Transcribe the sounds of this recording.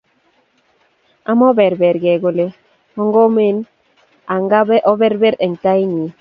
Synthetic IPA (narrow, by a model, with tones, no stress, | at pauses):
a˦mɔ˦bɛ˨ɾbɛ˨ɾɡɛ˨ɡo˨le˦ | ɔ˦ŋɡɔ˦me˦n | a˨ŋɡa˦bɛ˦ʔɔ˦bɛ˦ɾbɛ˦ɾɛ˨ŋta˦i˦ɲi˨